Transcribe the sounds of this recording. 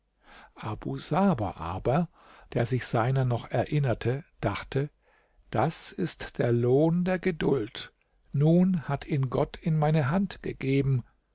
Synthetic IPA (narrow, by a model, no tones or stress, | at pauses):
ʔabuzaːba̰ʔa̰ːbɐ | d̥eːɐzɪçz̥aɪnɐnɔχɛɐʔɪnɐtʰəd̥aχtʰə | d̥asɪstd̥eːɐloːndeːɐɡədʊlt | nuːnhatʰiːnɡɔtʰɪnmaɪnəɦantɡ̥əɡeːbm̩